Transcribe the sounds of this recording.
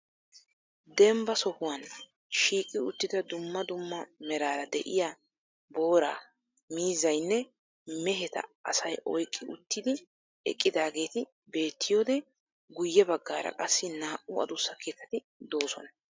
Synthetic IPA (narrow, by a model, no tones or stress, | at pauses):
d̪ɛmbɐsɔhʊwɐn | ʃiːkʼɪʊt̪ːɪd̪ɐd̪ʊmːɐd̪ʊmːɐmɛɾaːɾɐd̪ɛ̰ʔɪja | bo̞ːɾa̰ː | miːzɐjnːɛ | mɛɦɛt̪ɐ̰ɐsɐjʔɔjkʼːɪʊt̪ːɪd̪ɪ | ɛ̰kʼːɪd̪aːɡe̞ːt̪ɪ | be̞ːt̪ːɪjoːd̪ɛ | ɡʊjːɛbɐɡːa̰ːɾɐ̰kʼɐsːɪnaːʔʊɐ̰d̪ʊsːɐkʰeːt̪ːɐt̪ɪ | d̪o̞ːsɔ̰nɐ